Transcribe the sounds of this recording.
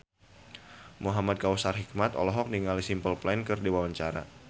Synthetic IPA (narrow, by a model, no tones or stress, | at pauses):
muɦamad̪̚kawsarɦik̚mat̪ɔ̰lɔɦɔk̚niŋalisimpəlplankɨrdiwawaɲt͡ʃaɾa̰